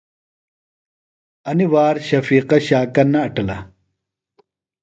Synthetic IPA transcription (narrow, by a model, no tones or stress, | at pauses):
ɐniwaːɾɕɐfiːqɐɕaːkɐnːɐːʈɐlɐ̰